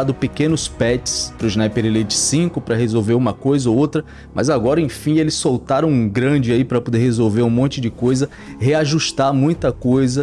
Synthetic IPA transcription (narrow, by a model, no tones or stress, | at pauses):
ad̪ʊpekẽnʊspɛt͡ʃɪ̥spɾʊʒnajpeɾelet͡ʃɪ̥sĩkʊpɾɐɦezowveɾũmɐkojzɐoowt̪ɾɐ | mʔɐ̰zaɡɔɾɐẽj̃fĩelɪssowt̪aɾɐ̃w̃ũɡɾɐ̃d͡ʒɪaipɾɐpod̪eɾhezowveɾũmõnt͡ʃɪd͡ʒɪkojzɐ | heaʒuʃt̪aɾmũj̃t̪ɐkojzɐ